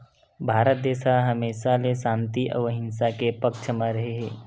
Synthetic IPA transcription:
bʱaːɾət̪̚d̪eːsaɦɐmeːʃalesãːnt̪iʔəʋɦɪnsakepəkt͡ʃʰəmãɾɐɦeɦɛː

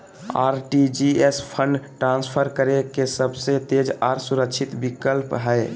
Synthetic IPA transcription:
a̰ːɾʈid͡ʒiespʰə̃ɳɖʈɾãːnspʰəɾkəɾekesəbset̪ed͡ʒaːɾsuɾəkt͡ʃʰɪt̪bɪkəlpɦɛe

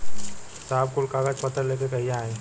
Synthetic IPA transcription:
saːbkʊlkaɡad͡ʒpɐt̪əɾleːkekɐɦijaaːe

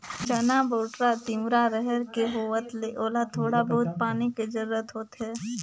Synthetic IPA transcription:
t͡ʃɐnaboːʈɾat̪ɪ̃mɾaɾɛɦɛɾkeɦoːʋət̪leʔoːlat̪ʰoːɽabɐɦʊt̪̚paːniked͡ʒɐɾʊɾət̪ɦoːt̪ɦɛː

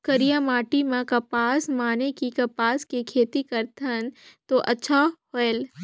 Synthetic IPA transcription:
kɐɾijamaːʈimãkɐpaːsmaːnekikɐpaːskekʰeːt̪ikɐɾt̪ʰənt̪oʔɐtːʃʰahoel

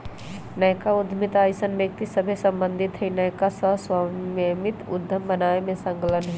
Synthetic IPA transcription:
nəjkaʊd̪ʱmɪt̪aːjsənbjək̚t̪isəbʱesə̃mbə̃nd̪ʱɪt̪ɦəinəjkasəɦswammɪt̪ʊ̰d̪ʱːəmbənaːemẽsə̃ŋkələnɦɛ

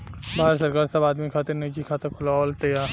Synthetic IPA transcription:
bʱaːɦɾsɐɾkaːɾsɐbaːd̪mikʰaːt̪ɪɾniːt͡ʃikʰaːt̪ɐkʰʊlaɔlt̪ejaː

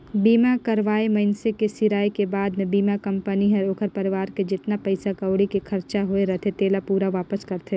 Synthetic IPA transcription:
biːmakɐɾʋaːemɐɪnsekesɪɾaːikebaːd̪mẽbiːmakɐ̃mpəniɦɛɾoːkʰəɾpɐɾɪʋaːɾked͡ʒɪt̪napɐɪsakɐʋɽikikʰɐɾt͡ʃaɦoeɾɐt̪ʰet̪eːlapuːɾaʋaːpəskɐɾt̪ʰe

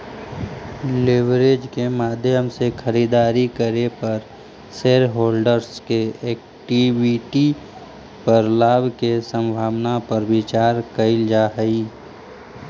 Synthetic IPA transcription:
lɪʋɾed͡ʒkemaːd̪ʱjəmsekʰəɾid̪aːɾikəɾepəɾ | seːlɦoːlɖəɾskeɛːk̚ | ʈiwiʈi | pəɾlaːbkesə̃mbʱaːʋnapəɾbɪt͡ʃaːɾkəɪld͡ʒaːɦəi

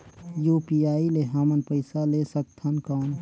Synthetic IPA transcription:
juːpiaːileɦamənpəɪsalesək̚t̪ʰənkaːn

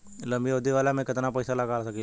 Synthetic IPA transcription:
lɐ̃mbioːd̪iʋaːlamẽkɪt̪napɐɪsalɐɡaːlsɐki

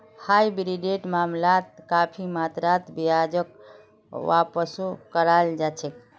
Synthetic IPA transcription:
hajbɾiɖeʈmamlat̪̚kapʰimat̪ɾat̪bijad͡ʒək | ʋa̰pəsokəɾald͡ʒat͡ʃʰek

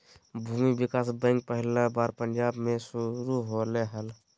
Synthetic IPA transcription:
bʱuːmibɪkaːsbɛ̃ːŋk̚pəɦɪlabaːɾpə̃ɲd͡ʒaːbmẽsʊɾuɦoleɦəl

